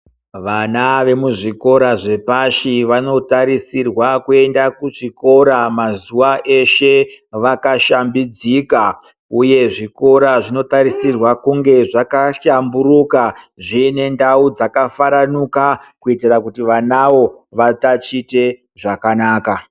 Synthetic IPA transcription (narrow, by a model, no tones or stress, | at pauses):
ʋanaʋe̞muʐiko̞ɾaʐe̞paʃiʋano̞taɾisirwakue̞ndakuʐiko̞ɾamazuʋaʔe̞ʃe̞ʋakaʃambid͡zika | uje̞ʐiko̞ɾaʐino̞taɾisirwakuŋɡe̞ʐakaʃambuɾuka | ʐine̞ndaud͡zakafaɾanukakuitirakutiʋanaʋo̞ | ʋatat͡ʃite̞ | ʐakanaːka